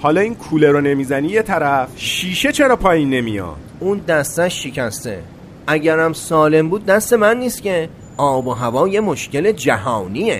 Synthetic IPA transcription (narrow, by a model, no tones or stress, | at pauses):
hɒːlɒːiːnkʰuːleɾone̞miːzæniːje̞t̪ʰæɾæfʃiːʃe̞t͡ʃʰe̞ɾɒːpʰɒːjinːe̞mḭjɒ̰ːd̪̥ | uːnd̪æst̪æʃːicʰæst̪e̞̰ | ʔæɟæɾæmsɒːle̞mbuːd̪̚ːæst̪e̞mænːiːsce̞ | ʔɒːboɦævɒːje̞mo̞ʃce̞le̞d͡ʒæhɒːniḛ